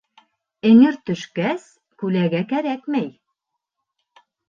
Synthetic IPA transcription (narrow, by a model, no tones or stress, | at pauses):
ɘ̆ŋɘɾt̪ɵ̆ʃkæs | kʉlæɡækæɾækmæj